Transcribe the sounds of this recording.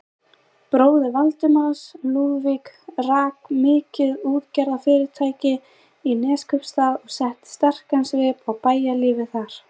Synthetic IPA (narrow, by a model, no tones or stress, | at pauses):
pɾoːwðɪvalt̪ʏmansluːðvikraːkmɪːcɪðuːðcɛɾðafɪːɾɪɾ̥t̪ʰaːjcɪ | inɛːskʰœpst̪aːðɔɣsɛht̪st̪ar̥kansvɪpawpaːjaliːvɪθaɾ̥